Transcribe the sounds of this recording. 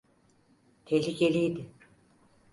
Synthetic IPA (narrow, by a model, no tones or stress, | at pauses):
t̪ʰelʲikelʲijd̪ɪ